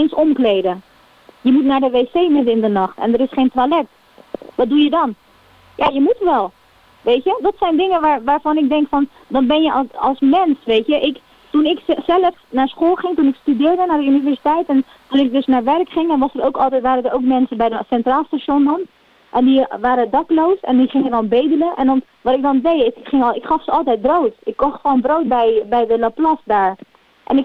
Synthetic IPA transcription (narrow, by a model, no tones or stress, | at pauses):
ensɔmklejdə | jəmutnaːɹdəʋeːsejmɪdənɪndənɑχtɛ̰ndəɾɪsχejntʋalɛk̚t | ʋɑt̚dujədɑn | jaːjəmutʋɛlˠ | ʋetjədɑtsɛjndɪŋənʋaːʋaːɹfɑnɪk̚dɛŋkfɑn | dɑnbɛnjəɑlˠsmɛnsʋejtjəʔɪk | tunɪksɛləfnaːɹsχoːlˠχɪŋtunɪkstydɪːɹdənaːɹdəynivɛɹsitɛjtɛn | tunɪk̚dɵsnaːɹʋɛrkχɪŋdɑnʋɑsərowkɑlˠtɛjtʋaːɾədəɹowkmɛnsənbɛjdəsɛntraːlˠstaʃondɔn | ʔɛndiʋaːɾədɑklowsɛndiχɪŋədɑnˠbejdələʔɛ̰ndɑn | ʋɑtɪɡ̚dɑndejɪχɪŋɪkχɑfsəɑlˠtɛjt̚browtɪkːɔχtfɔnbrowt̚bɛjbɛjdələplɑsdaːɹ | ʔɛ̰nɪk